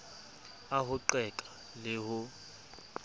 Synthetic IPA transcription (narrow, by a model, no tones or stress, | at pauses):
aɦʊǃɛkʼa | lɪhʊ